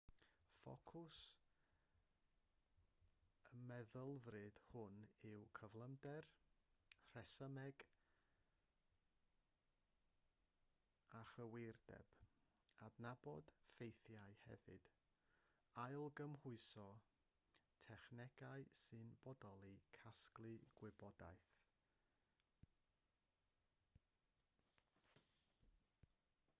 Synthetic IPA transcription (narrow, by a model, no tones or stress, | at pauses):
fɔ̰kʰʊs | əmɛðəlˠvrɨd̥hʊnɪwkʰəvlˠəmdɛr | r̥ɛsəmɛɡ | aχəwɪrd̥ɛ̰b̥ | adnabɔd̥fejθjaɨhɛ̰vɨd̥ | ajlˠɡəmhʊɨsɔ | tʰɛχnɛɡ̥aɨsɨnbɔdɔlˠikʰasklˠɨɡ̥wɪbɔda̰jθ